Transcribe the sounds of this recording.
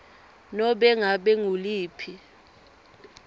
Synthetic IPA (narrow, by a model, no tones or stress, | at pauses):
nɔɓɛŋaɓɛŋuliːpʰi